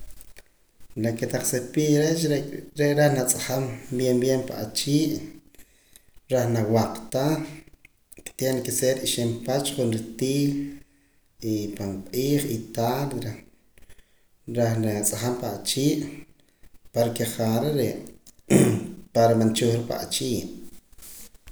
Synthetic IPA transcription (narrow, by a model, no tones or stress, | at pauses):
naket̪aχsepiːɾet͡ʃɾeʔɾaχnat͡sʼaχambjembjempa̰ʔat͡ʃiːʔ | ɾaχnawaqt̪aχ | ki̥t̪enakiseɾiʃempat͡ʃχunɾit̪iː | ipanqʼiːχit̪alɾa | ɾaχnat͡sʼaχampaʔat͡ʃiːʔ | poɾkeχaɾeɾeʔ | paɾamant͡ʃuχɾipa̰ʔt͡ʃiːʔ